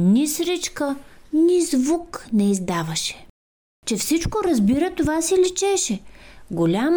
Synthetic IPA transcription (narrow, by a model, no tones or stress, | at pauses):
nisɾit͡ʃkənizvuknɛizd̪avɐʃɛ̥ | t͡ʃɛfsit͡ʃkoɾɐzbiɾət̪ovasilit͡ʃɛʃɛɡolʲam